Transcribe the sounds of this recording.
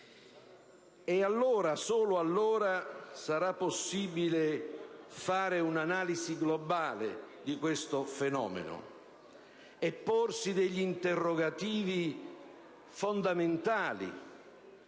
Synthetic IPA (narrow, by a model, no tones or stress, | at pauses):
ɛalːoːɾasoːlʊalːoːɾasaɾapːosːiːbilɪ | faːɾɪunanaːlisiɡlɔbaːlɪ̰d̪ikwest̪ʊfɛnɔ̰ːmḛnʊ̰ | ɛpːorsid̪ɛʎːint̪erːɔɡat̪iːvi | fond̪amɪnt̪aːlḭ